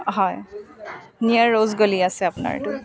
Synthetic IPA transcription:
ɦɔj | nijaɹːozɡoliasɛapʊna̰ɹ̰tʊ

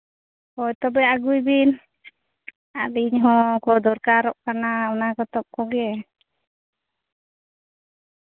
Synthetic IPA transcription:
kɔɛt̪ɔbɛaɡujbin | aliɲɦɔkɔd̪ɔɾkaɾɔʔkanaɔnakɔt̪ɔp̚kɔɡɛ

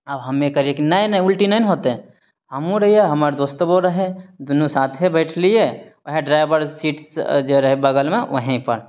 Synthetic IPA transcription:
ɐbɦɐmẽkɐɾiekinɐẽnɐ̃ʊlʈinaɪnɦoːt̪ẽ | ɦɐmũɾɐɦieɦɐmaːɾed̪oːst̪oboɾɐɦed̪ʊnusaːt̪ʰɦebɛːʈʰlieʋɐɦẽɖɾaːɪʋəɾsiːʈsd͡ʒoɾɐɦebɐɡəlmẽʋɐɦẽpɐ̰ɾ

